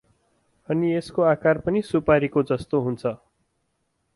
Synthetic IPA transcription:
ʌnieskoakarpʌnisupaɾikod͡zʌst̪oɦunt͡sʰʌ

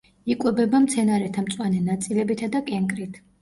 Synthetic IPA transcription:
ikʼwɛbɛbamt̪sʰɛnaɾɛt̪ʰamt̪sʼwanɛnat̪sʼilɛbit̪ʰad̪akʼɛŋkʼɾit̪ʰ

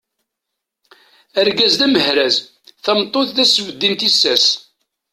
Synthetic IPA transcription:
æɾɡæzðæməhɾæz | θæmt̪ˤːoθðæsːəvəd̪ːint̪isːæs

